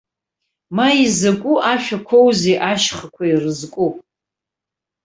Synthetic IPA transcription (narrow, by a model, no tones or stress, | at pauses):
maizakʷʼuʔaʃᶣakʷʰowzeʔaʃχakʷʰairɨzkʷʼu